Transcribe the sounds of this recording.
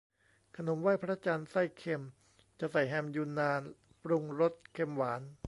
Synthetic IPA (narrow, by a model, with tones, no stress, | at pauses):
kʰa˧no˩˦mwaː˥˩jpʰɾa˦˥t͡ɕaː˧nsa˥˩jkʰe˧m | t͡ɕa˨˩sa˨˩jɦɛ˧mjuː˧nːaː˧n | pɾu˧ŋɾo˦˥t̪̚kʰe˧mwaː˩˦n